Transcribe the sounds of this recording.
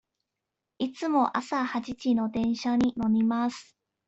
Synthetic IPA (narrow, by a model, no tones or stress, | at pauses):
it͡sɨmo̞ʔasahat͡ɕit͡ɕino̞d̪ẽ̞ɰ̃ɕaɲ̟ino̞mʲimasɨ̥